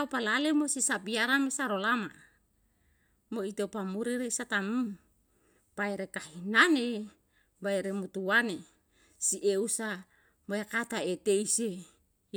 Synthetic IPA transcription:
palalemosisapiaɾamesaɾolama | moit̪opamuɾiɾesat̪amum | b̥aeɾekahinane | baeɾemut̪uwane | siʔeusa | moakat̪aet̪eise

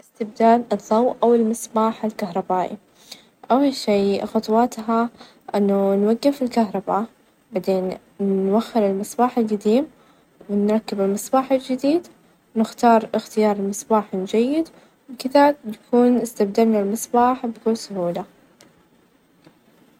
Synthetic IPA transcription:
ʔɪst̪ɪb̚d̪aːlɨðˤːɑwʔawɪlmɪsˤbaːħɪlkaɦɾˤɑbaːʔḭ | ʔawwaʃiːxɑt̪ˤwɑt̪ɦa | ʔɪnːʊnwaɡːɪfɪlkaɦɾˤɑba | bad̪eːnː | waxːɪɾɪlmɪsˤbaːħɪlɡad̪iːm | wɪnɾˤɑkːɪbɪlmɪsˤbɑːħɪld͡ʒɪd̪iːd̪ | wnɪxt̪ɑːɾˤɪxt̪ɪjɑːɾˤɪlmɪsˤbaːħɪld͡ʒajːɪd̪ | wɪkɪðajakuːnɪst̪abd̪almɪnɪlmɪsˤbaːħbkuːnsʊhuːla

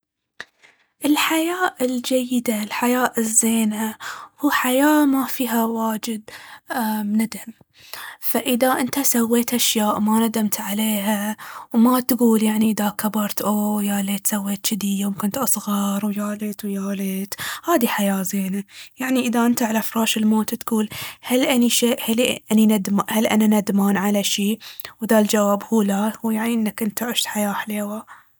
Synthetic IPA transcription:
ʔɪlħajaːʔɪld͡ʒajːɪd̪alħajaːʔɪzːeːnahuːħajaːmafiːɦawaːd͡ʒɪd̪̚ | mnɪd̪ʕam | faʔɪðaʔɪnt̪asawːeːt̪ʔaʃjaːʔmanad̪amt̪ʕaleːɦawmat̪ɡuːljaʕniʔɪðakabɑɾˤt̪ʔoːjaːleːt̪sawːeːt̪ʃɪd̪ijoːmkʊnt̪ʔɑsˤɣɑɾˤwjaːlɪt̪wjaːlɪt̪haːd̪iħajaːzeːnajaʕniʔɪðaʔɪnt̪aʕalafɾɑːʃɪlmoːt̪t̪ɡuːlhalʔaniʃeːʔhalʔaninad̪mhalʔa̰nanad̪maːnʕalaʃiːwd̪ald͡ʒawaːbhuːlahujaʕniʔɪnːakʔɪnt̪aʕɪʃt̪ħajaːħleːwa

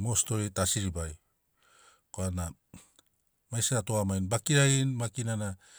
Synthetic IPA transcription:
mo̞sto̞ɾetasiɾibaj | koana | majsaɾatoamajnbakiɾajnmakinana

